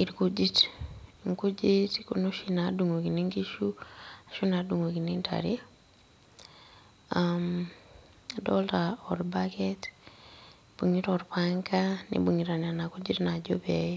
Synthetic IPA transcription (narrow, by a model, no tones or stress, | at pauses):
iɾkud͡ʒitŋkud͡ʒitkunoʃinaduŋokiniŋkiʃuaʃunaduŋokinintʰa̰ɾḭ | am | adoltaoɾbaket | b̥uŋitɔɾpaŋkanḭbuŋiɾananakud͡ʒitnad͡ʒope